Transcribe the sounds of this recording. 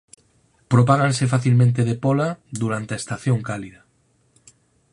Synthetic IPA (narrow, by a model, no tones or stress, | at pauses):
pɾopaɣansefaθilmẽnt̪̬eðepolaðuɾant̪eaest̪aθjoŋkaliða